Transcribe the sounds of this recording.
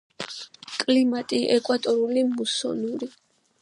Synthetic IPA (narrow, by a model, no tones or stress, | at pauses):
kʼlimat̪ʼiʔɛkʼwat̪ʼɔɾulimusɔ̰nuɾi